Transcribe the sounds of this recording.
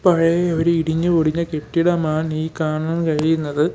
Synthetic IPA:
pɐɻɐjɐɾuiɽiɲːɨkoɽiɲːɐkeʈːiɽɐmaːniːkaːɳɐnkɐɻijunːɐðɨ

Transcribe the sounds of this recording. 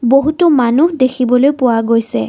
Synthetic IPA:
boɦutʊmanuɦdekʰibɔlojpʊwaɡojsɛ̰

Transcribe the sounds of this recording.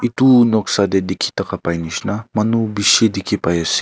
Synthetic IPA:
it̪unɔksad̪ed̪ikʰi̥t̪ɐkapajniʃnamɐnubiʃed̪ikʰipajasi̥

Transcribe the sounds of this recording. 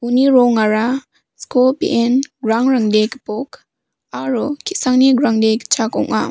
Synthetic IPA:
uniɾɔŋaɾa | skopḛʔenɡɾaŋɾaŋdekpok | aɾukʰisaŋniɡɾaŋdekt͡ʃʰakɔ̰ŋa̰

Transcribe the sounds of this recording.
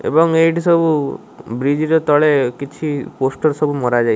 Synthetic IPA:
ḛbɔŋeʈʰisɔbu | bɾid͡ʒiɾɔt̪ɔɭekit͡ʃʰiposʈɔɾsɔbumɔɾad͡ʒaj

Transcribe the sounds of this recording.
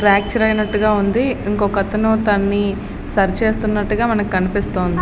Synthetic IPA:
ɾaːk̚t͡ʃɐɾɐjnɐʈːuɡaːund̪iiŋkokɐt̪ɐnoːt̪ɐnːi | sɐɾt͡ʃe̞ːst̪unːɐʈːuɡaːmɐnɐkːikɐnipist̪oːnd̪i

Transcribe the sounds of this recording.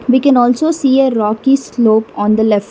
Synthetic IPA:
ʋiːkɛ̃nɔːlsoːsiːeɾɔːkisloːpɔ̃ːnd̪əlɛf

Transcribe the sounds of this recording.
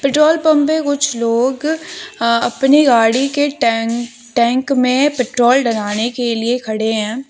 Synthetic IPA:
pɪʈɾoːlpɐ̃mpẽkʊt͡ʃʰloːɡ | ɐpniɡaːɽikeʈɛ | ʈɛ̃ːŋkmẽpɪʈɾoːlɖɐnaːnekeliekʰɐɽeɦɛ̃ː

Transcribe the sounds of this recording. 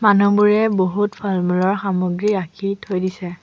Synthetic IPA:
manubuɹɛboɦutpʰalmulɔɹxamoɡɹiakʰitʰojdisɛ

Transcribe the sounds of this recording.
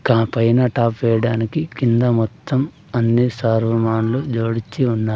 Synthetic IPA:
kaːpɐjnɐʈaːpʋɛːjɐɽaːnikikind̪ɐmɔt̪ʰːɐm | ɐnːisaːɾʋɐmaːnlud͡ʒoːɽit͡ʃːiunːaːɾu

